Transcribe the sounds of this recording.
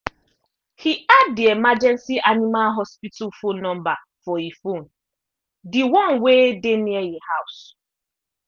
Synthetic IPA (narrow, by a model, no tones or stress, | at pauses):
hiadiemad͡ʒɛnsiʔanimalɦɔspitʰufunɔ̃mba | fɔifon̩ | dɪwɔnwedenielihaʊs